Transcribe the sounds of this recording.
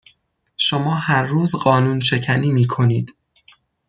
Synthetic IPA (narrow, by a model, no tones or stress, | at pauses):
ʃo̞mɒːhæɾːuːzɢɒːnuːnʃe̞cʰæniːmiːkʰo̞niːd̪̥